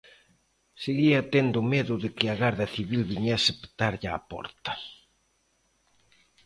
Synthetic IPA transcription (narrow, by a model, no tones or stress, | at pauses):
seɣiɐt̪end̪ʊmeðʊðɪkɪaɣaɾðɐθiβilβiɲɛsɪpt̪aɾʎa̰ːpɔ̰ɾt̪ɐ̥